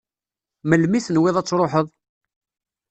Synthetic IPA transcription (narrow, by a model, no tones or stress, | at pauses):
məlmiθnwɪðˤæt͡sːɾˤoħəðˤ